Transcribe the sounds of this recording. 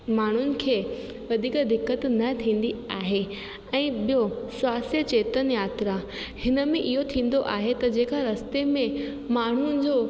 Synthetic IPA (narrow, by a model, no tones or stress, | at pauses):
maːɳ̤ʊnɪ̆kʰeː | ʋɐd̪ʱiːkd̪ɪkːət̪nɐt̪ʰĩːn̆d̪iaːɦe | ɛ̃ːɓijosʊaːsijət͡ɕeːt̪ənjaːt̪ɾa | hɪnə̆mẽʔɪɦot̪ʰĩːn̆d̪oʔaːɦet̪ɐd͡ʑẽːkaɾɐst̪emẽ | maːɳ̤ʊnɪ̆d͡ʑoː